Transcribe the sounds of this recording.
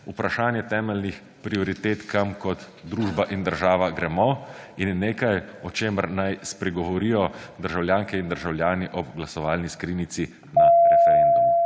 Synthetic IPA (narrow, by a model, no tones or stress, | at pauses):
upɾaʃaːnjɛt̪ɛːmɛlnix | pɾiɔɾit̪eːt̪kamkɔt̪ | d̪ɾuːʒbaʔind̪əɾʒaːʋaɡɾɛmɔinːeːkajɔt͡ʃeːməɾnajspɾɛɡɔʋɔɾijɔd̪əɾʒawljaːŋkɛind̪əɾʒawlʲjaːniʔɔɡlasɔʋaːlniskɾinit̪si | naɾɛfɛɾɛnd̪umu